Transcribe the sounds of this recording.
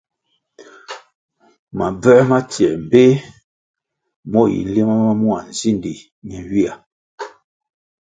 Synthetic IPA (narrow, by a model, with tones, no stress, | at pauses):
ma˨b͡vɛ˦ma˦tjɛ˨m̩˨be˦ | mɔ˦jḭ˨n̩˦le˦ma˦ma˦mu˦a˨n̩˨zi˦ndi˨ | ɲɛ˨wi˦a˨